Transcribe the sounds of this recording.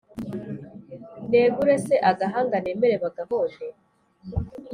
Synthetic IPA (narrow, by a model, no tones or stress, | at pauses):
neːβuɾeseʔaɡaɦaːŋɡaneːmeɾeβaɡaɦoʒe